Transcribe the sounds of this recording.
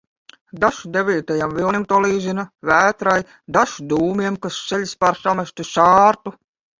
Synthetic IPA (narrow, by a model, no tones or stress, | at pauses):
d̪aʃd̪evʲiːt̪ajamvilˠnʲimt̪uɔlˠiːzinavæːt̪ɾaj | d̪aʃd̪uːmiɛmkasselʲspaɾsamaʃʲt̪uʃaːɾt̪u